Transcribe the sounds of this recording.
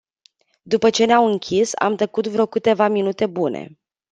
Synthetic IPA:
d̪upət͡ʃe̞neamɨŋkʲʰisa̰mt̪əkut̪vɾo̞kɨt̪e̞vaminut̪e̞bunʔe̞̰

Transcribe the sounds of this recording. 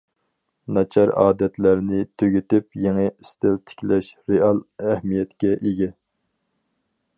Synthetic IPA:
nɑt͡ʃʰɑɾɑ̰ːd̪ɛt̪læɾnɪt̪ʰøɡʲyt̪ɪpjeŋɪist̪ɪlt̪ʰɪ̥kʲlɛʃɾeɑlˠæhmijɛt̪kʲɛʔeɡʲɛ

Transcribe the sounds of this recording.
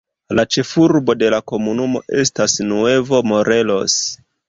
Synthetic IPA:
lat͡ʃe̞fuɾbo̞de̞lako̞munumo̞̰ʔe̞stasnue̞vo̞mo̞ɾe̞lo̞̰s

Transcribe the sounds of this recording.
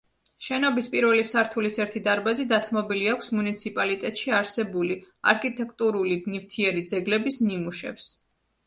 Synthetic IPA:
ʃɛnɔbispʼiɾvɛlisaɾt̪ʰulisɛɾt̪ʰid̪aɾbazid̪at̪ʰmɔbiliakʷʰsmunit̪sʰipʼalit̪ʼɛt̪ʼʃiaɾsɛbuli | a̰ɾkʰit̪ʼɛk̚ʼt̪ʼuɾulinift̪ʰiɛɾid̪zɛɡlɛbisnimuʃɛ̰ps

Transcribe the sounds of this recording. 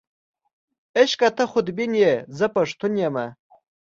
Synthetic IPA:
eʃkʼatʰɐχʷʊd̪binjezɐpʰʼɐʂtʰʊnjamɐ

